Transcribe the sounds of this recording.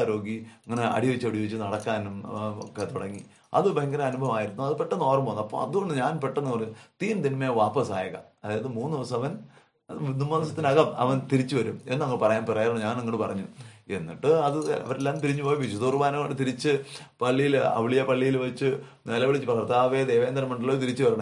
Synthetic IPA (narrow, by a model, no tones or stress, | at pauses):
ɾo̞ːɡiɐŋːɐne̞ɐ̰ɽijɐʋit͡ɕːɐɽijoit͡ɕːɨnɐɽɐkːaːnumo̰kːet̪uɽɐŋːi | ɐ̰ðɨbɐɐŋɡɐɾɐmɐnubʱɐmaːjiɾunːuɐðɨpeʈːɐnoːrɐmbonːɐpːo̰ːɐðuɣo̞ɳɖɨɲaːnpeʈːɐenːɨpɐrɐɲːut̪iːnt̪inmejʋaːpɐsaːjɐɣɐ̰ɐðaːjɐðɨmuːnːɨðiʋɐsɐmɐʋɐn | numːɐðiʋɐsɐt̪ːinɐɣɐmɐ̰ʋɐnt̪iɾit͡ɕːuʋɐɾumenːɨnɐŋːɐɭpɐrɐjaːnpirɐjaɾɐɳuɲaːnɐŋːɐɽɨpɐrɐɲːue̞nːḭʈːɨɐðɨɐ̰ʋɐɾelːaːmt̪iɾiɲːupo̞ːjipisud̪uːrʋaːnɐoɽɖɨt̪iɾit͡ɕːɨpɐɭːijilɐ̰ʋiɭijɐpɐɭːijilʋɐt͡ɕːɨnelɐʋiɭit͡ɕːɨprɐɐrt̪aːʋed̪ejʋeːnd̪ɐɾɐmɐɳɖiloːɾt̪iɾit͡ɕːuʋɐɾɐɳɐm